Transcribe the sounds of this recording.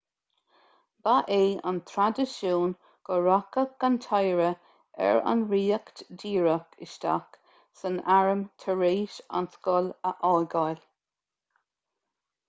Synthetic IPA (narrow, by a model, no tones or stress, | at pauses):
baʔeːa̰nt̪ʰɾad̪əʃuːn | ɡ̥əɹakəɡ̥ant̪ʰajɹə | ɛ̰ɹa̰nɹiːəkt̪diːɹəkʰɪ̰ʃt̪a̰k | sənaɹəmt̪ʰəɹeːʃa̰nskɔləʔɔjɡajlʲ